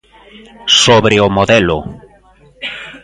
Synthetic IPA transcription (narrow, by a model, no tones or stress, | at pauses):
soβɾeomoðɛlʊ̰